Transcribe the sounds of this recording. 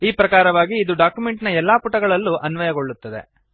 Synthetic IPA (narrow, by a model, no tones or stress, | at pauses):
iːpɾɐkaːɾɐʋaːɡiːd̪uɖaːkjumeɳʈnɐɛlːaːpuʈɐɡɐɭɐlːuʔɐnʋɐjɐɡo̞ɭːut̪ːɐd̪e̞̰